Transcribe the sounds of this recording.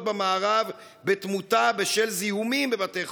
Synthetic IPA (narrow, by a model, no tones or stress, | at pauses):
tbamaːʁav | betmutabeʃelzihumimbebateχ